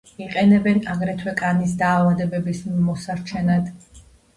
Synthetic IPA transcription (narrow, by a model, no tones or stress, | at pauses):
iqʼɛnɛbɛnaɡɾɛt̪ʰwɛkʼanis̬d̪aːvad̪ɛbɛbismɔsaɾt͡ʃʰɛnad̪